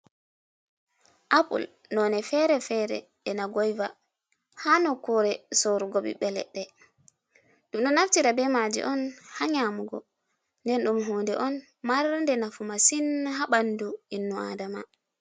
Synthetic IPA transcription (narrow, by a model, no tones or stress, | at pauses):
ʔapṵl | nɔnɛfɛɾɛfɛɾɛ̰ | ɛnaɡɔjva | hanɔkɔɾɛsoɾuɡoɓḭɓɛlɛ̰ɗːɛ | ɗumnɔnaftiɾabɛmad͡ʒḭʔɔnhaɲamuɡɔ̰ | ndɛnɗumɦɔːndɛʔɔn | maɾndɛnafumasinɦaɓanduinːua̰dama̰